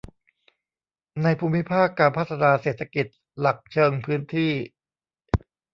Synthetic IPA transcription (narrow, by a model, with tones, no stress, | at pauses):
na˧jpʰuː˧mːi˦˥pʰaː˥˩kːaː˧npʰa˦˥˩t̪ʰa˧naː˧seː˨˩t̪ʰa˧ki˨˩t̪̚ | la˨˩k̚t͡ɕʰɤː˧ŋpʰɯː˦˥nt̪ʰiː˥˩